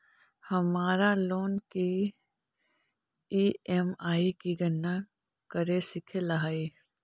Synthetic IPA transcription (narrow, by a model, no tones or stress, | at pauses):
hɐmaːɾaloːnki | iːɛmaːikiɡənːa | kəɾesɪkʰelaɦaːi